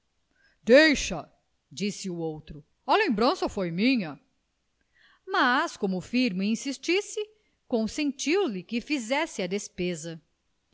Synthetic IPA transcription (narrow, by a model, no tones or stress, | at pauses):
d̪ejʃɐ | d͡ʒisɪʊowt̪ɾʊ | ɐlẽmbɾɐ̃sɐfojmĩɲɐ | maskõmʊfiɾmiĩsist͡ʃisɪ | kõsẽnt͡ʃiwlɪkɪfizɛsɪɐd̪espezɐ